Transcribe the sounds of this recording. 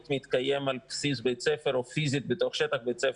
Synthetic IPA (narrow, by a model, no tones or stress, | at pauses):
t̪mit̪kaje̞malpsisbet͡sefeɾofizit̪bet̪o̞χʃet̪aχbet͡sef